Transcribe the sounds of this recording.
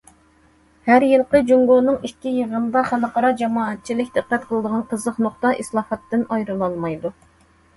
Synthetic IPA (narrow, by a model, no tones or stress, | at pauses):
hæɾjɨlˠqəd͡ʒuŋɡonɨŋiʃkʲijəʁənd̪ɑχænəqɑɾɑd͡ʒɑmɑːɛt̪̚t͡ʃʰilɪkʲd̪ɨqːɛt̪̚qʰəlˠɨd̪əʁɑnqʰəzəqnoχt̪ɑʔislˠɑːfɑt̪ːɨnɑjɾɨlˠɑlˠmɑjd̪u